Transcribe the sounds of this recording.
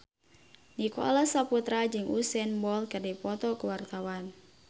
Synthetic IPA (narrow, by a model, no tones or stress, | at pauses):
nikɔ̰lasaput̪ɾad͡ʒɨŋʔusɛnbɔlkɨrdipɔt̪ɔkuwart̪awan